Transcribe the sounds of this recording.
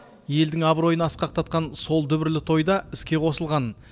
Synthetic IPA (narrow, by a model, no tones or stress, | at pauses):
je̞ld̪ɪŋɑbɾo̞jənɑsqɑq̚t̪ʰɑt̪̚qɑnso̞lˠd̪ʏbɪɾlɪt̪ʰo̞jd̪ɑɪskʲe̞qʰo̞səlˠʁɑn